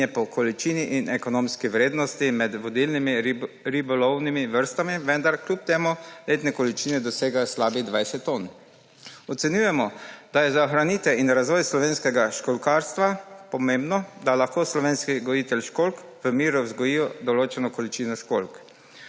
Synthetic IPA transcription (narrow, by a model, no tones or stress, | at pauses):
ɛpɔkʰɔlit͡ʃiːniʔinɛkɔnoːmskiʋɾeːd̪nɔst̪imɛd̪ʋɔd̪ilnimi | ɾibɔlɔwnimiʋəɾst̪amiʋɛnd̪aɾklʲup̚t̪eːmuleːt̪nɛkɔlit͡ʃiːnɛd̪ɔseːɡaslaːbid̪ʋajsɛt̪ːon | ɔt̪sɛnjuːjɛmɔd̪̥ajɛzaɔxɾaniːt̪ɛinɾazʋɔːjslɔʋeːnskɛɡaʃkɔlkaːɾst̪ʋapɔmembnɔd̪alaxkoːslɔʋeːnskiɡɔjiːt̪ɛlʃkolk | ʋəmiːɾuzɡɔjiːjɔd̪ɔloːt͡ʃɛnɔkɔlit͡ʃiːnɔʃkolk